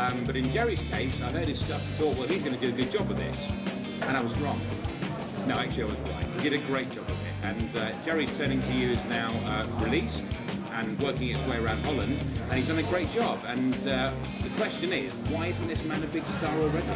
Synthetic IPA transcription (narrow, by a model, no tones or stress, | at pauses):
ʌ̃mbʌɾɨ̃nd͡ʒɛɹiz̥kʰeɪsaɪɜɾ̚ɨz̥stʌfθɔˑʔ̚wʌlˠhizɡʌnɨdɨɨɡʊd̚d͡ʒɒbəðɪ̰s | ə̃ɾ̃aɪwʌzɹɔ̃ŋ | noʊæk̚t͡ʃʉl̩ˠiaɪwʌzɹa̰ɪt̚wiɡɪɾɨɡɹeɪt̚d̥ʒ̥ɒbəv̥ɪ̰t̚ɨ̃nʌd͡ʒɛɹiz̥tʰɜ̃ːnɪ̃ŋtʰɨjɨɪznaʊʌɹɪliˑst | ʔə̃nwɜˑ˞kɪ̃ŋɪtsweɪəɹãʊ̃nd̥̚hɒlˠə̃ndʔə̃ñizdʌ̃nɨɡɹeɪt̚d̥ʒ̥ɒbə̃nʌ | ðɨkʰw̥ɛst͡ʃɨ̃nɪzwaɪɪzn̩ðɪsmæ̃nɨbɪɡ̥stɑːɹəɹɛɡ